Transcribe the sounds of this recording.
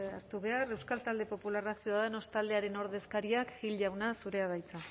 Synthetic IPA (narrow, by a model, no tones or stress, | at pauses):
aɾt̪uβe̞are̞wskalt̪ald̪e̞po̞pularasiaðeno̞st̪ald̪e̞aɾe̞no̞ɾðe̞skaɾiakɡilʝawnasuɾe̞aðajt͡sa